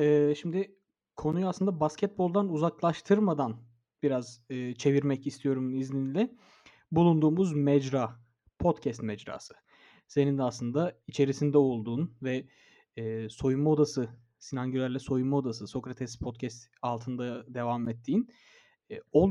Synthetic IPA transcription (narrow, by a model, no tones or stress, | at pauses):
ɛːʃimd̪ɪ | kʰo̞nujuaslˠɯnd̪abascʰɛt̪̚bo̞lˠd̪anuzaklˠaʃt̪ʰɯɾmad̪an | b̥iɾazɯːt͡ʃʰe̞viɾmɛcist̪ʰijo̞ɾumuizninilʲɛ | bulˠund̪uːmuzmɛd͡ʒɾaː | pʰo̞t̪cʰɛst̪mɛd͡ʒɾa̰ːsɯ̥ | se̞nind̪ɛaslˠɯnd̪ait͡ʃʰe̞ɾisind̪ɛo̞lˠd̪uːnvɛː | so̞jummaod̪asɯ | sinaɲɟylʲæɾlʲɛso̞jummːaod̪asɯso̞kɾat̪ʰɛspʰo̞t̪cʰɛst̪ | alˠt̪ʰɯnd̪ad̪e̞vamɛt̪ʰːiːnː | o̞lˠ